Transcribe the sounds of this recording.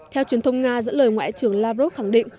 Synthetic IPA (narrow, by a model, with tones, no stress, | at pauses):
t̪ʰɛ˧wt͡ɕwi˨˩ənt̪ə˧wŋ͡mŋaː˧zə̰˧˥ləː˨˩jŋwa̰ː˧˨jt͡ɕɨ˨˧˩əŋlaː˧vzo˦˥t̚xa˧˩ŋɗḭ̈˧˨ŋ̟